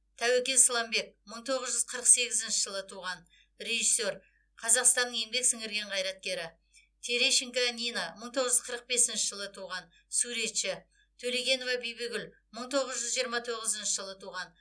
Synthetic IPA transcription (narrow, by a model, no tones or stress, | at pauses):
t̪ʰæwekʲe̞nslˠɑmbe̞k̚məɴt̪ʰo̞ʁəzʒʏz̥qʰəɾəqse̞ɡʲɪzɪnʃɪʒəlˠət̪ʰuʁɑn | ɾe̞ʒisːe̞ɾ | qʰɑzɑqst̪ɑnːəɴjembe̞ksɪŋɪɾɡʲe̞ɴqʰɑjɾɑt̪̚kʲe̞ɾɪ | t̪ʰeɾeʃɪŋkanʲijnaməɴt̪ʰo̞ʁəzʒʏz̥qʰəɾəq̚be̞sɪnʃɪʒəlˠət̪ʰuʁɑn | suɾe̞t̪ʃɪ | t̪ʰɵleɡʲe̞no̞vɑbijbeɡʲʏl | məɴt̪ʰo̞ʁəzʒʏzʒijəɾmɑt̪ʰo̞ʁəzɪnʃəʒəlˠət̪ʰuʁɑn